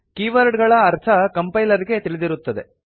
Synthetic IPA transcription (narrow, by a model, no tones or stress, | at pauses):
kiːʋɐɾɖɡɐɭɐːɾt̪ʰɐkɐmpɐjlɐɾiɡe̞t̪iɭed̪iɾut̪ːɐd̪e̞̰